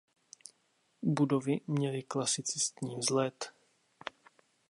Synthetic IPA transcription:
budovɪmɲɛlɪklasɪt͡sɪst̪ɲiːzlɛt̪

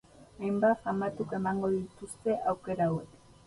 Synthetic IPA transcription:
ajmbafamat̪uke̞maŋɡo̞ðit̪ust̪e̞ʔawke̞ɾawek

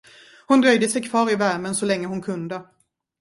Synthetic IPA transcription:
hʊnd̪ɾœjd̪əsɛjkʰvɑːɾɪvæɾmənsɔlɛŋːəɦʊnkʰɵnd̪ə

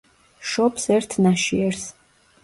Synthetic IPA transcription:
ʃɔpsɛɾt̪ʰnaʃiɛɾs

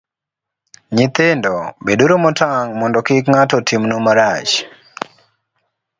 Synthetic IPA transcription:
ɲɪt̪endɔbeduɾomɔtʰaŋmɔndɔkɪkŋatɔtʰimnomaɾat͡ʃ

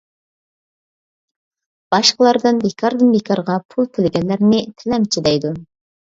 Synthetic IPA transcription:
b̥ɑʃqəlˠɑɾd̪ɨnbekʰɑɾd̪ɨnbekʰɑɾʁɑpʰulˠk̪ʰɪlɪɡʲɛnlːɪɾnɪt̪ʰɛlɛmt͡ʃʰid̪ɛjd̪u

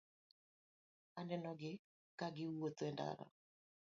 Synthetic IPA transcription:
anɛnɔɡɪ | kaɡɪuotwɛnda̰ɾa̰

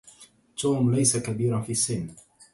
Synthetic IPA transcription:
t̪uːmlajsakabiːɾanfiːʔasːɪnː

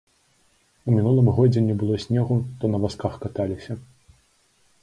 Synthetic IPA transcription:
umʲinulˠɨmɣɔd͡zʲɛnʲɛbɨlˠɔsʲnʲɛɣuʂt̪ɔnɐvaskaxkat̪alʲisʲɐ

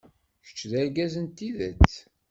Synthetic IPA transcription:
çə̥t͡ʃːðæɾɡæzənt̪ːiðæt͡s

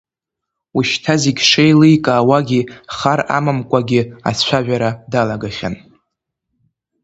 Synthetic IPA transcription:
uʃtʰaziɡʲʂejlɨjkʼaːwaɡʲiχara̰mamkʷʼaɡʲɪa̰t͡ɕʷʰaʒʷᶣaɾadalaɡaχʲa̰n

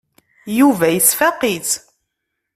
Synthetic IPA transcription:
juvæjəsfæqit͡s

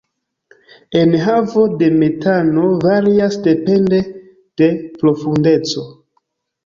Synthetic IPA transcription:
enɦavo̞de̞me̞tano̞vaɾiasde̞pe̞nde̞ | d̥e̞pɾo̞funde̞t͡so

